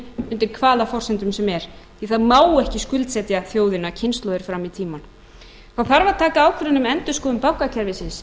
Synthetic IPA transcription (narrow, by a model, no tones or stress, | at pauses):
mʏnt̪ɪɾkʰvaːlafɔrsɛnt̪ʏmsɛmɛɾ̥ | iθaðmaːwɛhcɪskʏlt̪sɛt̪jaθjoːwðɪnacʰɪnst̪lɔðɪɾ̥fɾamit̪ʰiːman | θawθaɾvaðt̪ʰaːkaaːwkʰɪɾʏnʏmɛnt̪ʏ̥skɔːðʏmpawhkacʰɛɾvɪsɪns